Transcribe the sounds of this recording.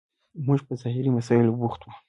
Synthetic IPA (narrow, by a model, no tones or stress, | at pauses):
muʒpəzɑhɪɾimasɑɪlbuxt̪wu